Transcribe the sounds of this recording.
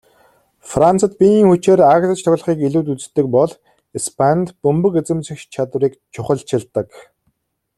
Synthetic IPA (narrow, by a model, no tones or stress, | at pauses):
frant͡sə̆t̪̚pʲiniːŋxut͡ɕeːɾaɣɮə̆t͡ɕt̪ʰɔɣʲɮ̆χiːkiɮuːt̪ut͡s̆t̪ːɘ̆k̚pɔɮ | ispʰanʲt̪pɵmpɵ̆ket͡sɘ̆mt͡ɕĭxt͡ɕʰat̪wriːkt͡ɕʰʊχə̆ɮt͡ɕʰɪ̆ɮt̪ə̆k